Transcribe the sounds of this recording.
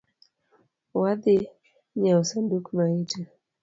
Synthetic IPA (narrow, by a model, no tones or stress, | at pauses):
wad̪ɪ | ɲaɔsandukmaita